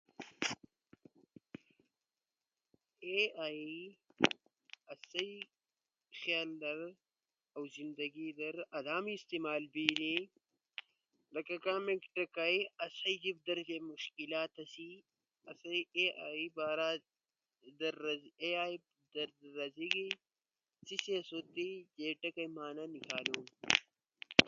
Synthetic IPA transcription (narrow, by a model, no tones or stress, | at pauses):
eaːi | ɐsɐj | xjaːld̪ɐɾ | awzind̪ɐɡid̪ɐɾɐd̪aːmiːst̪imaːlbiːni | lɐkɐkaːmekʈɐkajɐsɐjd͡ʒib̚d̪ɐɾd͡ʒemʊʃkɪlaːt̪ɐsi | ɐsɐjeabaːɾa | d̪ɐɾɐzeaː | d̪ɐɾdɾɐziɡi | sisiɐsot̪ːid͡ʒeːʈːɐkɐjmaːnanɪkʰaːlom